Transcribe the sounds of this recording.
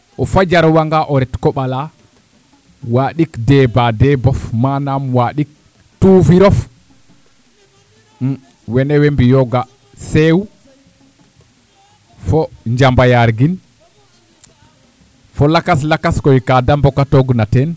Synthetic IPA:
ʔɔfad͡ʒaɾwaŋɡaʔɔɾɛtkɔɓala | waɗikdɛːbadɛbɔfmanamwaɗik̚ | tuːfiɾɔf | wɛnɛwɛmbijɔɡa | sewu | fɔɲd͡ʒambajaɾɡin | fɔlakaslakaskɔikadambɔkatɔɡnatɛn

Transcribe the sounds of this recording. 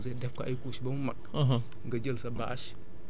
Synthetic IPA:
zedefka̰ʔkuʃibamumak̚ | ɦ | ɡad͡ʒəlsaba̰ʔaʃ

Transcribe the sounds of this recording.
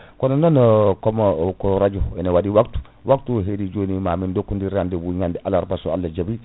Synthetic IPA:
kɔnononkomkoɾad͡ʒoinawadiwaktu̥ | wʔaktuɦedid͡ʒonimamindokːundiɾandiwuɲandiʔalaɾbasoa̰lːad͡ʒabi

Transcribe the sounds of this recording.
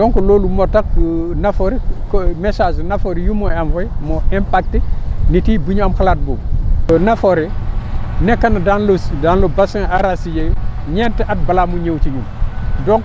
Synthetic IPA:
doŋkololumotak̚nafoɾikomesaːd͡ʒnafoɾijumoanvomoʔempak̚tinitibuɲamxalaːt̚boonafoɾe | nekːanadanlosdanlobasiŋaɾasid͡ʒe | ɲenteʔat̚balamuɲewt͡ʃiɲumdoŋ

